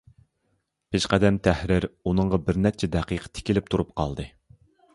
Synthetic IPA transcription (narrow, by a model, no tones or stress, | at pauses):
pʰeʃqæd̪ɛmt̪ʰæhɾɪɾunɨŋʁɑbɪɾnɛp̚t͡ʃʰɛd̪ɛqiqʰə̥t̪ʰɪ̥kʲilɪp̚t̪ʰuɾup̚qʰɑ̰lˠd̪ɨ